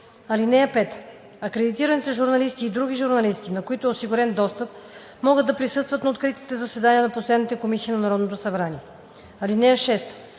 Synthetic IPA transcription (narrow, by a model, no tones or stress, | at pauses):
ɐlinɛjəpɛt̪ə | ɐkɾɛd̪it̪iɾɐnit̪ɛʒuɾnɐlist̪iːd̪ɾuɡ̟iʒuɾnɐlist̪inɐkoit̪oɛosiɡuɾɛnd̪ɔst̪əp̚ | mɔɡɤd̪ɐpɾisɤst̪vɐt̪nɐot̪kɾit̪i̥t̪ɛzɐsɛd̪aniənɐposɛd̪nit̪ɛkomisiːnɐnɐɾɔd̪not̪osɐbɾaniɛ | ɐlinɛjəʃɛst̪ə̥